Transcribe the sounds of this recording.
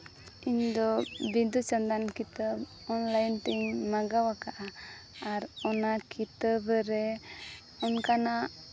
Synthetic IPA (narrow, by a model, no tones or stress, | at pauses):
iɲd̪ɔbid̪ut͡ʃənd̪ankit̪əb | ɔnlajnt̪ɛɲmaɡawakaʔaː | ɾɔnakit̪əbɾɛ | ɔnkana